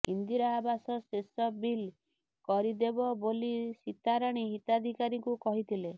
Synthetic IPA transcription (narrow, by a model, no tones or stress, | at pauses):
ḭnd̪iɾɔːbasɔsesɔbil | kɔɾid̪ebɔbolisit̪aɾaɽ̃iɦit̪ad̪ʱikaɾikukɔɦit̪ʰile